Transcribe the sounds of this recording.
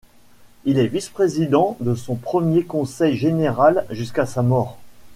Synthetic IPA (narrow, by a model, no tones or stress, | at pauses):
ilɛvispχezid̪ɑ̃d̪əsɔ̃pχəmjekɔ̃sɛjʒeneʁalʒyskasamɔːʁ